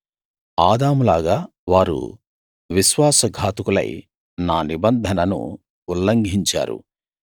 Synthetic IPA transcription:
aːd̪aːmulaːɡaː | ʋaːɾṵ | ʋiʃʋaːsɐɡʱaːt̪ukulɐ̰j | naːnibɐnd̪ʱɐnɐnṵː | lːɐŋɡʱiɲt͡ʃa̰ːɾṵ

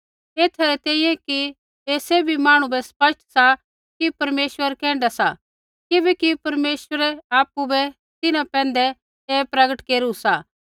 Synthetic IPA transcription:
eːt̪ʰaɾɛt̪ɛ̃ːĩːɛ̃ki | eːsebʱimaːɽ̃ũbɛspɐsʈʰsa | kipɐɾmeːsʋəɾkɛ̃ːɳɖasa | kɪbɛkipɐɾmeːsʋəɾɛaːpːubɛ | t̪ɪnãpɛ̃ːnd̪ɛ | eːpɾɐɡəʈkeːɾusaː

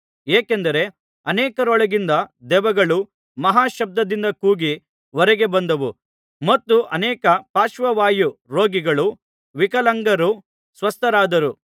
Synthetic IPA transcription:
eːkend̪ɐɾe̞ | ɐneːkɐɾɔɭɐɡind̪ɐd̪ɛʋɐɡɐɭu | mɐɦaːʃɐb̚d̪ɐd̪ind̪ɐkuːɡi | ʋɔɾɛɡe̞bɐnd̪ɐʋu | mɐt̪ːuʔɐnɛːkɐpaːʃʋɐʋaːjuɾoːɡiɡɐɭu | ʋikɐlɐŋɡɐɾu | sʋɐst̪ʰɐɾaːd̪ɐɾu

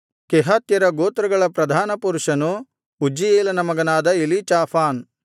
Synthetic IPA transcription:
kɛɦɐt̪jɐɾɐɡoːt̪ɾɐɡɐɭɐpɾɐd̪ʱaːnɐpuɾuʃɐnu | ud͡ʒijeːlɐnɐmɐɡɐnaːd̪ɐilit͡ʃaːpʰaːn

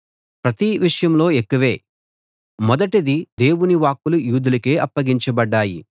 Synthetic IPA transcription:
pɾɐt̪iʋiʂɐjɐmlo̞ːekːuʋe̞ː | mɔd̪ɐʈɐd̪id̪e̞ːwuniʋaːkːulujuːd̪ulɐke̞ːʔɐpːɐɡiɲt͡ʃɐbɐɖːaːji

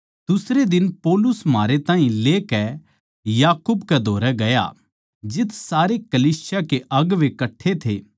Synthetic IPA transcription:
d̪̥ʊsɾed̪ɪnpɔːlʊsmaːɾet̪ãːɦĩleːkɛ | jaːkʊbkɛd̪ʱoːɾɛɡɐja̰ | d͡ʒɪt̪ʰsaːɾekɐliːsɪjakeʔɐɡʋekɐʈʰːet̪ʰḛː

